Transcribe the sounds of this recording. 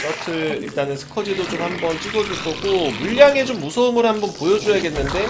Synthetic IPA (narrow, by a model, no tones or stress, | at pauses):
kʌtʰɯɭḭɭt͈anɯnsʰɯ̥kʰʌd͡ʑidod͡ʑomhambʌnt͡ɕ͈iɡʌd͡ʑukʰʌɡomuʎːaŋe̞d͡ʑomːusʰʌɯmɯɾhanbʌnpojʌd͡ʑʌjaɡe̞nːɯnde̞